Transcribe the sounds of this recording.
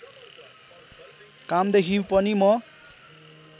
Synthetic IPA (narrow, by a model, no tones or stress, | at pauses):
kamd̪ekʰĩpʌnimʌ